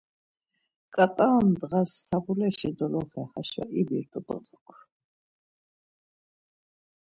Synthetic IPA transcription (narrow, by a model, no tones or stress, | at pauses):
kʼat̪ʼand̪ʁasːʰabulɛʃid̪ɔlɔχɛhaʃa̰ʔibiɾt̪ʼubə̰ʁɔkʰ